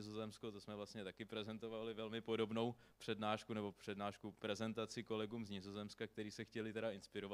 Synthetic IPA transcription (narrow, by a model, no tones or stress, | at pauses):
ɪzo̞zɛmskot̪osmɛvlast̪ɲɛt̪akɪpɾɛzɛnt̪o̞valɪvɛlmɪpo̞do̞bno̞wpr̝̥ɛdnaːʃkunɛbo̞pr̝̥ɛdnaːʃkupɾɛzɛnt̪at͡sɪko̞lɛɡuːmzɲɪzo̞zɛmskak̚t̪ɛɾiːsɛxcɛlɪt̪ɛɾaɪnspɪɾova